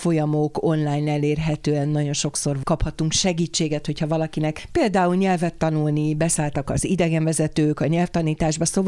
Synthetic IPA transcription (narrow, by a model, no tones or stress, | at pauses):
fo̞jɒmoko̞nlaːjnɛleːrɦɛt̪øːɛnːɒɟo̞nʃo̞kso̞rkɒphɒt̪uŋkʃɛɡiːt͡ʃːeːɡɛt̪ho̞cʰhɒvɒlɒkinɛkpeːld̪aːulɲɛlvɛt̪ːɒnulnibɛsaːlt̪ɒkɒ̰zid̪ɛɡɛɱvɛzɛt̪øːkɒɲɛlft̪ɒniːt̪aːʒbɒsov